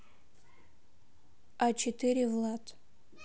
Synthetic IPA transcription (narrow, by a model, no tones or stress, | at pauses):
at͡ʃʰetʰɨɾʲivlˠatʰʼ